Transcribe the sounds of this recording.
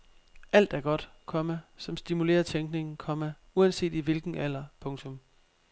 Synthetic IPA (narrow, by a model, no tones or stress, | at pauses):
ʔæl̰d̥æɐɡ̥ɒ̽d̥ | kʰɒ̽mæsɒ̽msd̥imule̝̰ːɐt͡sʰeŋɡ̥ne̝ŋn̩kʰɒ̽mæ | uænse̝̰ːd̥iʋe̝lɡ̥n̩ʔælɐpʰɔ̽ŋt͡sʰɔ̽m